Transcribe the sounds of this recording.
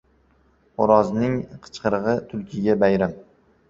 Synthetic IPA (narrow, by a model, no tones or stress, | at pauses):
ʊɾɒznɪŋqʰɨ̥t͡ʃqʰɨɾʁɨt̪ʰʊlˠkʲʰɪɡʲabajɾam